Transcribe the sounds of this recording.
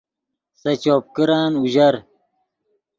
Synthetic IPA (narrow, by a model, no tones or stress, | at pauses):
sɐt͡ɕoːp̚kiɾaːnuʑɐɾ